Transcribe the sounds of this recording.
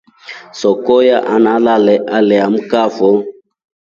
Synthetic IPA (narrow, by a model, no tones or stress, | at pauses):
sɔkɔjaʔanalalɛʔalɛam̩kafɔ